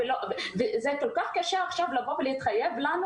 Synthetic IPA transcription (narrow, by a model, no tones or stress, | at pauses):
elovezɛkolkaχkaʃeaχʃavlaboblejit̪χajːevlan